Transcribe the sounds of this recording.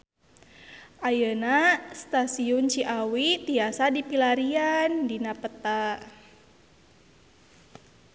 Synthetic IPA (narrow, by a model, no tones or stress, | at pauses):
ʔajənast̪asiunt͡ʃiʔawit̪iasadipilaɾiandinapət̪a